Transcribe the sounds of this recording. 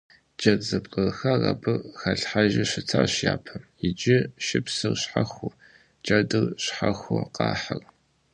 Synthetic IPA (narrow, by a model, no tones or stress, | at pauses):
t͡ʃʼɐzɨpʼqʼɐrxɐrɐ̰bɨxɐɬħaʒɪɕɪt͡sʰaːɕjaːpʰɐmjɪd͡ʒɪʃɪpsɨrɕħaxʷʊ | t͡ʃʼɐdɨrɕħaxʷʊqɑːħɐr